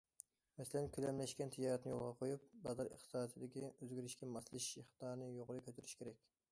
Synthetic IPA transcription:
mɛsɪlɛnkʲʰylɛmlɛʃkʲɛnt̪ʰijɑːɾɛt̪nɪjo̰lˠʁɑqʰojup̚bɑzɑɾə̰χt̪ʰɨ̥sɑːd̪ʰɨd̪ɪkʲiøzɡʲyɾyʃkʲɛmɑslˠɨʃiχt̪ɑːɾnɨjoʁɾɨkʲʰøt̪ʰyɾyʃkʲeɾɛkʲ

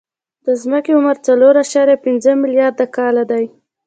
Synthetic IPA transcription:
d̪̥əzməkeʊməɾt͡saloɾaʃɑɾjapɪnzəmɪljɑɾd̪akɑlad̪aj

